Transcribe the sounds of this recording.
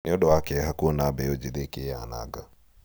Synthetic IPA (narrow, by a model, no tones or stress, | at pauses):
niɔɗɔakɛɦakuɔnabɛjɔd͡ʒiðekeana̰ɡa